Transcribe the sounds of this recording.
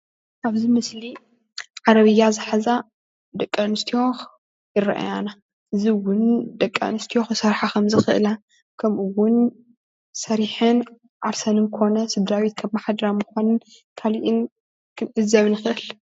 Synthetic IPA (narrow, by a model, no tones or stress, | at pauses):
ʔaβzimɨsli | ʕaɾɐβɨjːazɨħaza | d̪ɐkʼːɐnɨst̪ʰijo̞x | jɪɾɐ̰ʔa̰jana | ʔɨziwʊnd̪ɐkʼːɐ̰nɨst̪ʰijoxsɐɾħakʰɐmzɨxɨʔlɐ | kʰɐmʔuwʊn | sɐɾiħɨn | ʕaɾsɐnɨnkʰo̞nɐsɨd̪ɾawit̪̚kʰɐβmaħad̪ɐɾamɨxanɨn | kʰaliʔɪn | kʰɨnʔɨzɐβnɨxɨʔɨl